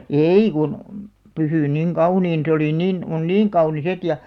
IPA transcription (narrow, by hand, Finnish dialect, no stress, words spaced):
eˑi kun pysyˑn niŋ kɑuniːn se oli nin on niːŋ kɑunis et jɑ